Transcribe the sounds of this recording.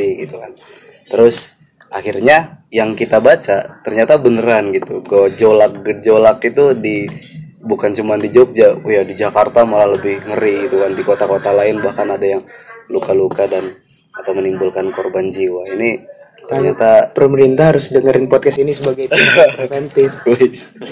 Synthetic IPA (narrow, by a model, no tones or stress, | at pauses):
iɡit̪ukan | t̪əɾʊs | ʔaxirɲajaŋkit̪abat͡ʃat̪ərɲat̪abənəɾanɡit̪uɡawd͡ʒolak̚ɡəd͡ʒolakit̪udi | bukant͡ʃumandid͡ʒɔk̚d͡ʒakujadid͡ʒakart̪amalaləbɪhŋəɾiɡit̪ukandikot̪akot̪alaɪnbahkanadajaŋlukalukadan | akamənimbulkankorband͡ʒiwaini | t̪ərɲat̪apəɾəməɾint̪ahɦaɾʊsdəŋəɾɪnpɔt̪̚kasinisəbaɡajtiɾɛfɛnt̪ɪɪs